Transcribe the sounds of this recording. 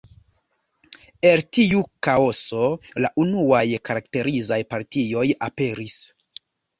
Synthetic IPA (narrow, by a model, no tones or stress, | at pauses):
e̞ltiukao̞so̞laʔunuajkaɾakte̞ɾizajpaɾtio̞jape̞ɾis